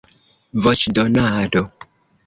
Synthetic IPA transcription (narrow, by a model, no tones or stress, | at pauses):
vɔt͡ʃdɔnado